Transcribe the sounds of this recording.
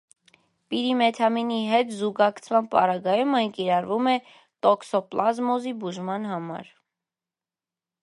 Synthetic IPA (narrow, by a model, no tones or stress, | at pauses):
piɾimɛt̪ʰɑminiɦɛt̪zuɡɑkt͡sʰvɑnpɑ̰ɾɑɡɑjumɑjŋkiɾɑɾvumɛ | t̪ɔksɔplʔɑzmɔzibuʒmɑnɦɑmɑ̰ɾ